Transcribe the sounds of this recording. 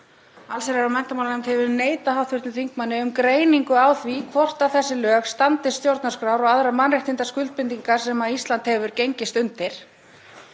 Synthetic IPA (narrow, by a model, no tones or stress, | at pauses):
alseɾɛɾawmɛn̥t̪amawlnɛjmt̪hɛvʏɾneːjt̪ahɦawθvʏɾt̪nʏθiŋkmanːɪʏmkɾeːjniŋkʏawθvikʰvɔr̥t̪awθɛsːɪlœːxst̪ant̪ɪsst̪jowɾt̪naskɾawɾɔɣaðɾamanrɪht̪ɪnt̪askʏlt̪̚pɪnt̪iŋkaɾsɛmaist̪lant̪hɛvʏɾ̥cejɲcɪst̪ʏnt̪ɪɾ̥